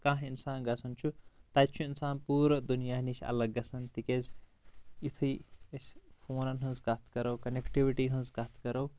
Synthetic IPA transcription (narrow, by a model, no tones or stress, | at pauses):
kãɦinsaːnɡɐsʰɐnt͡ʃʰut̪ajt͡ʃʰuinsaːnpuːɾəd̪unijanisʰɐ̰lɐɡːɐsʰɐnt̪ikez | it̪ʰujespʰoːnɐnɦunzɡɐt̪ʰɡɐɾɐwkɐnekʈibiʈiɦũnzɡɐt̪ʰkɐɾɐw